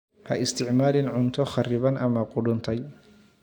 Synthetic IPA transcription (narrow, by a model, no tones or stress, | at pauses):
hɐ̰ʔɪst̪ʰɪʕmaːlɪnʕʊnt̪ʰɔχɐrɪβɐnʔɐmɐqʊɽʊnt̪ʰɐj